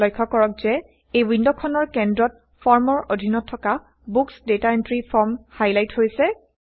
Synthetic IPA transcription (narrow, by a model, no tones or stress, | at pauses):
ojkʰːɔkɔɹɔk̚z̥ɛ | ejwindɔkʰɔnɔɹkɛndɹɔt̚ | fʰɔɹmɔɹʔodʱinɔtʰːɔka | buksdetaentɹipʰɔɹmhajlajthojsɛ